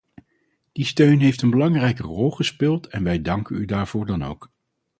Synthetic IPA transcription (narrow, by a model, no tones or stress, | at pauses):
d̥istøɥnɦejftənbəlɑŋrɛjkərɔlˠχəspɪːlˠtɛnʋɛjdɑŋkənydaːɹv̥ʊːɹdɑno̰wk